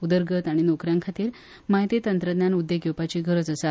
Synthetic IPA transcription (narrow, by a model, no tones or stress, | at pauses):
ud̪əɾɡət̪aɽ̃inokɾjaŋkʰat̪iːɾ | maɦit̪it̪ənt̪ɾəd̪njanud̪jeɡʱjewpat͡ɕiːɡʱəɾət͡səsa